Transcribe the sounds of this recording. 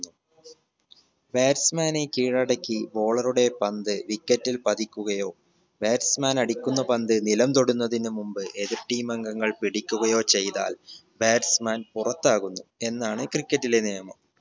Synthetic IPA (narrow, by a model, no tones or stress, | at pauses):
u | beːɾsmaːnekiːɻɐɽɐkːibo̞ːɭɐruɽe̞pɐnd̪ɨʋikːɐtːilpɐðikʲːuɣɐjo̞ː | beːɾsmaːnɐɽikʲːunːɐpɐnd̪ɨnilɐmt̪o̞ɽunːɐðinɨmumbɨʔe̞ðirʈiːmɐŋɡɐŋːɐɭpiɽikʲːuɣɐjo̞ːt͡ɕe̞jt̪a̰ːl | beːɾsmaːnpurɐt̪ːaːɣunːue̞nːaːɳɨkrikʲːɐtːile̞neːɐmɐm